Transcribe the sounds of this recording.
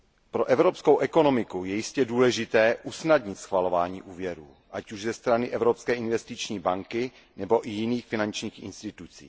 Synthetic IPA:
pɾo̞ʔɛvɾopskowʔɛko̞no̞mɪkujɛjɪscɛduːlɛʒɪt̪ɛːʔusnadɲɪt̪sxvalo̞vaːɲḭːʔuːvjɛɾṵː | ʔacuʒzɛst̪ɾanɪʔɛvɾopskɛːʔɪnvɛst̪ɪt͡ʃɲiːbaŋkɪ | nɛbo̞ʔɪjɪniːxfɪnant͡ʃɲiːxʔɪ̰nst̪ɪt̪ut͡sḭː

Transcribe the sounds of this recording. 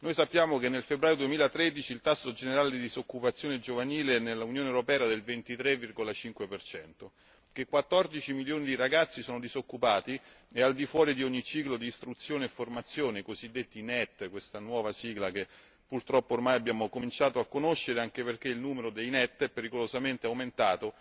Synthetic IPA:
nojsapːjaːmokenːelfebɾaːjod̪uwemiːlat̪ɾed̪it͡ʃilt̪asːod͡ʒeneɾaːled̪id̪izokːupat̪sːjoːned͡ʒovaniːlenelːaunjoːnewɾopɛːad̪elvent̪it̪ɾevːirɡolat͡ʃiŋkwepert͡ʃɛnt̪o | kekːwat̪ːɔrd̪it͡ʃimiljoːnid̪iɾaɡat̪sːisoːnod̪izokːupaːt̪i | eald̪ifwɔːɾid̪ioɲːit͡ʃiːklod̪iːst̪ɾut̪sːjoːneːfːormat̪sːjoːnekozid̪ːet̪ːinɛt̪ːkwest̪anwɔːvasiːɡlak̟e | pːurt̪ɾɔpːoːrmajabːjaːmokomint͡ʃaːt̪oakːonoʃːeɾeaŋk̟eperk̟eilnuːmeɾod̪ejnɛt̪ːɛpːeɾikolozament̪eawment̪aːt̪o

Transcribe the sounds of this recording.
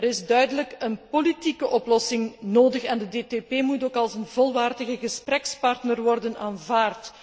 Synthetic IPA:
ɾɪzdœɥdələkənpolitikəʔɔplɔsɪŋnoːdəxɛndədeːteːpeːmutoːkɑlˠzənvɔlˠʋaːrdəɣəɣəsprɛkspɑrtnərʋɔrdənaːnvaːrt

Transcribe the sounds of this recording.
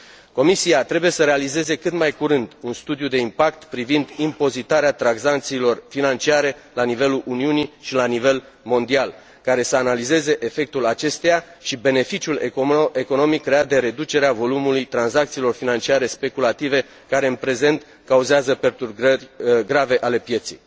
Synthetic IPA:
ko̞misiat̪ɾe̞buje̞səɾe̞alize̞ze̞kɨt̪majkuɾɨnd̪unst̪ud̪jud̪e̞impakt̪pɾivind̪impo̞zit̪aɾeat̪ɾaɡzant̪siːlo̞rfinant͡ʃiaɾe̞lanive̞luʔuniuniʃilanive̞l | mo̞nd̪ial | kaɾe̞səanalize̞ze̞ʔefe̞k̚t̪ulat͡ʃe̞st̪ejaʃibe̞ne̞fit͡ʃiuleko̞no̞mikːɾe̞at̪̚d̪e̞ɾe̞d̪ut͡ʃe̞ɾeavo̞lumulujt̪ɾanzak̚t̪siːlo̞rfinant͡ʃiaɾe̞spe̞kulat̪ive̞ | kaɾe̞ɨnpɾe̞ze̞nt̪ | kauzeazəpe̞rt̪urɡərʲɡɾave̞ʔale̞pje̞t̪sḭj

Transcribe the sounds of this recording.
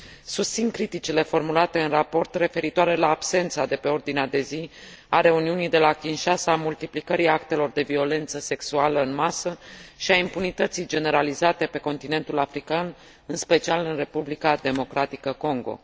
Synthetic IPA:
sust̪sinkɾit̪it͡ʃile̞fo̞rmulat̪e̞ɨnrapo̞rt̪re̞fe̞ɾit̪oaɾe̞laːbse̞nt̪sad̪e̞pe̞o̞rd̪inead̪e̞zi | aɾe̞uniunijd̪e̞lakʲinʃasaːmult̪iplikəɾiak̚t̪e̞lo̞rd̪e̞vio̞le̞nt̪səse̞ksualəɨnmasəʃiaimpunit̪ət̪sijd͡ʒe̞ne̞ɾalizat̪e̞pe̞ko̞nt̪ine̞nt̪ulafɾikan | ɨnspe̞t͡ʃialɨnre̞publikad̪e̞mo̞kɾat̪ikəko̞ŋɡo̞̰

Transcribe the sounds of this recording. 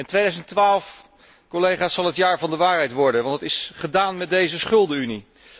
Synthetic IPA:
ɛntʋejdœɥzəntʋaːlˠf | kolejχaːsːɑlˠɦətjaːɹvɑndəʋaːɹɦɛjtʋɔɹdənʋɑndətɪsχədaːnmɛdejzəsχʏlˠdəyni

